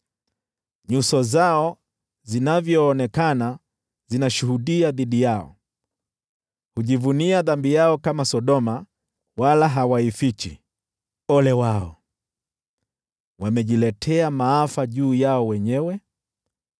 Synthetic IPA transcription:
ɲusɔzaɔ | zinavjɔːnɛkana | zinaʃuhuɗiaðiɗijaɔ̰ | huʄivuniaðambijaɔkamasɔɗɔma | walaɦawaifit͡ʃḭ | ɔlɛwaɔ̰ | wamɛʄilɛtʰɛamaafaʄuːjaɔwɛɲɛwɛ

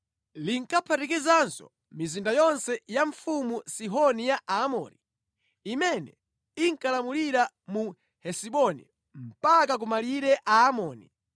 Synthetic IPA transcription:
liŋkapʰatikizansɔ̰ | mizindajɔnsɛjaɱfumusiɦɔnijaʔamɔːɾḭ | imɛnɛ̰ | iŋkalamuliɾa | mu | hɛsiɓɔnḭ | m̩pak̬ak̬umaliɾɛʔaːmɔːni

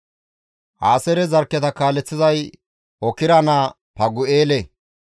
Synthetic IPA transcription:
ha̰ːsɛɾɛzɐɾkːɛt̪ɐkaːlːɛt͡sːɪzɐj | ɔkɪɾɐnaː | pɐɡʊeːle

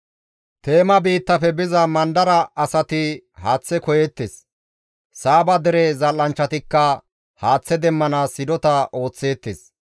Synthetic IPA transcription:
t̪e̞ːmɐbiːt̪ːɐfɛbɪzɐmɐnd̪ɐɾɐɐsɐt̪ɪhaːt͡sːɛkɔjet̪ːes | saːbɐd̪ɛɾɛzɐlːɐnt͡ʃːɐt̪ɪkːɐ | haːt͡sːɛd̪ɛmːɐnaːsɪd̪ɔt̪ɐo̞ːt͡sːe̞ːt̪ːes

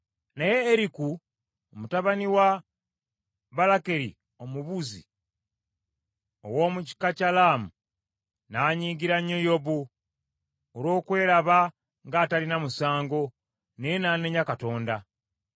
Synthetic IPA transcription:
naje̞ːɾiku | omutaβaniwa | βalake̞ɾḭ | o̞muβuzḭ | o̰wo̞ːmuci̥kacalaːmu | naɲiːɡiɾaɲojo̞bu | olo̞ːkwe̞ːɾaβa | ŋɡaːtalinamusaːŋɡo̞ | nejenaːne̞ɲakato̞ːnda

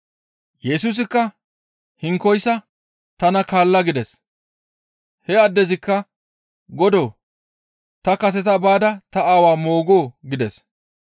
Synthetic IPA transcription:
jɛsus̬ɪkːɐ | hɪŋkːɔjsɐ | t̪ɐnɐkaːlːɐɡɪd̪ɛs | hɛɐd̪ːɛzɪkːɐ | ɡɔd̪oː | t̪ɐkɐs̬ɛt̪̬ɐbaːd̪ɐt̪ɐaːwaːmo̞ːɡoːɡɪd̪ɛs

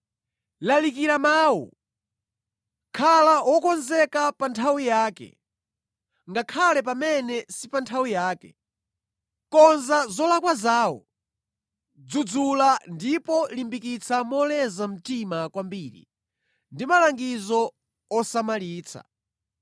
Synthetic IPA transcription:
lalikiɾamaːwɔ̰ | kʰalawɔkɔnzɛkapantʰawijaːkɛ̰ | ŋɡakʰalɛp̬amɛnɛsipantʰawijaːkɛ̰ | kɔnzazɔlakwazaːwɔ̰ | d͡zud͡zulandipɔlimbikit͡sʰamɔlɛzam̩timakwambiːɾḭ | ndimalaŋɡizɔ | ɔsamaliːt͡sʰa̰

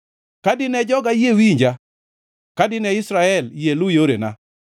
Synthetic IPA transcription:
kadɪnɛd͡ʒɔɡajewiɲd͡ʒa | kadɪnɛɪsɾaɛljelʊjoɾḛna̰

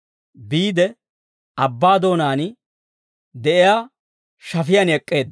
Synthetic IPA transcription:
biːd̪ɛ | ɐbːaːd̪o̞ːnaːn | d̪ɛʔɪjaː | ʃɐfɪjɐnɛkʼːe̞ːd̪

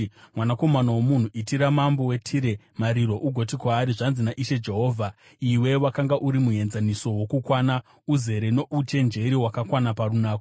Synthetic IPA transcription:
mwanako̞manawomun̤uʔitiɾamambo̞we̞tʰiɾe̞ | maɾiɾo̞ʔuɡʱo̞t̬ikwaːɾiʐanzinaʔiʃe̞d͡ʒe̞ɦo̞ːvʱa | iwe̞wakaŋɡaʔuɾimuɦe̞nzaniso̞wo̞kukwaːna | uze̞ɾe̞no̞ʔut͡ʃe̞nd͡ʒe̞ɾiwakakwanaparunaːko

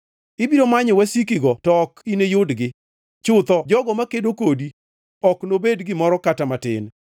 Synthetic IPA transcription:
ɪbiɾomaɲɔwasikiɡɔtɔkinejʊdɡɪ | t͡ʃʊt̪ɔd͡ʒɔɡɔmakedokodi | ɔknobedɡɪmɔɾɔkatamatɪ̰n

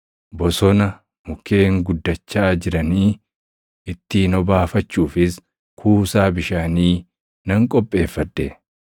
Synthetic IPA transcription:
bɔsɔnɐ | mʊke̞ːŋɡʊd̪ːɐt͡ʃːaːd͡ʒɪɾɐniː | ɪt̪ːiːnɔbaːfɐt͡ʃːuːfɪs | kʰuːsaːbɪʃaːniː | nɐŋkʼɔpʼːe̞ːfːɐd̪ːɛ

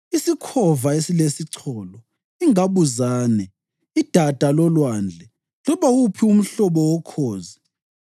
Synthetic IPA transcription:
isikʰɔvaesilesiǀʰɔlɔ | iŋaβuzaːnɛ | id̥ʱad̥ʱalɔlwand͡ɮʱɛ | lɔβawupʰium̩ɬɔβɔwɔkʰɔːzi

